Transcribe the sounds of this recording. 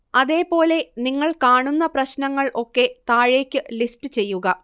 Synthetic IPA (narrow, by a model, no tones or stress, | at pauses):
ɐðe̞ːpo̞ːle̞niŋːɐɭkaːɳunːɐprɐɕnɐŋːɐɭʔo̞kːe̞t̪aːɻe̞ːkʲːɨlisʈɨt͡ɕe̞jːuɣɐ